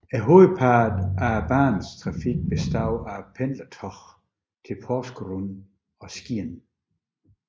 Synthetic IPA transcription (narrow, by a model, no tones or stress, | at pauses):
æɦoðpʰaːd̥æb̥aːnstʰʁɑ̈fiɡ̥̚b̥esd̥aʊæpʰenlɐt͡sʰɒχ | t͡sʰe̝pʰɒsɡ̥ʁun | ɒ̽sɡ̥iɐn